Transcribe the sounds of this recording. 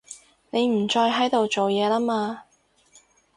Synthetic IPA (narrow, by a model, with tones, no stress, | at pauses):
ne˨˧jm̩˨˩t͡ʃɔː˧jɦɐ˨˥jt̪o˨wt͡so˨wjɛː˨˧laː˥maː˧